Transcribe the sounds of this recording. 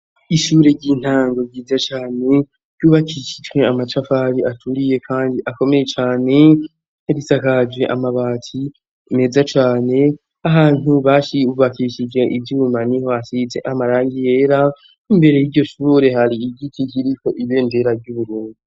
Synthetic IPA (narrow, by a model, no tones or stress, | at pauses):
iʃuːɾe̞ɾɟiːn̥haːŋɡo̞ɟiːzat͡ʃaːne̞̥ | ɟuːβakiʃi̥d͡ʒwe̞amat͡ʃafaɾiʔatʰuɾije̞kʰaːndiʔako̞me̞je̞t͡ʃaːne̞ | eβisakad͡ʒɡe̞ʔamaβaːtʰi | me̞ːzat͡ʃaːne̞ | aɦaːn̥uβaːʃiuβakiʃid͡ʒwe̞ʔivjuːmaniho̞asit͡se̞̰ʔamaɾaːŋɡije̞ːɾa | imbe̞ɾe̞jiɾɟo̞ʃuːɾe̞haɾiɟitʰikiɾiko̞ʔiβe̞ːnde̞ɾaɾɟuβuɾuːndu